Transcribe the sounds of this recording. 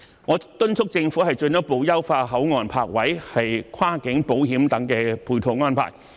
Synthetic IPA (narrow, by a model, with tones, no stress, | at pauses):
ŋɔː˨˧t̪ɵ˥nt͡sʰʊ˥k̚t͡sɪ˧ŋfu˨˥hɐ˨˩jt͡ʃɵ˧njɐ˥k̚po˨˧wjɐ˥wfaː˧ɦɐ˨˥wŋɔː˨npʰa̰ː˧k̚wɐ˨˥jhɐ˨jkʷʰwaː˥kɪ˨˥ŋpo˨˥whiː˨˥mt̪ɐ˨˥ŋkɛː˧pʰuː˧jt̪ʰo˧wŋɔː˥npʰa̰ː˨˩j